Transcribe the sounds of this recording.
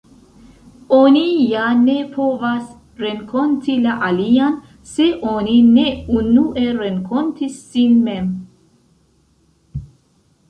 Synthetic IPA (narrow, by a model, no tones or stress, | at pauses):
onijane̞pʰo̞vas | ɾeŋkʰo̞ntʰilaʔalian | se̞ʔonine̞unuʔe̞ɾeŋkʰontisːinme̞m